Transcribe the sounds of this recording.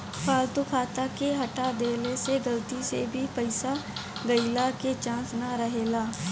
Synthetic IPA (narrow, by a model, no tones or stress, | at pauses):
pʰaːlt̪ukʰaːt̪akeɦɐʈad̪eːleseɡɐlt̪isḛbʱipɐɪsaɡɐɪlaket͡ʃãːsnaɾɐɦeːlaː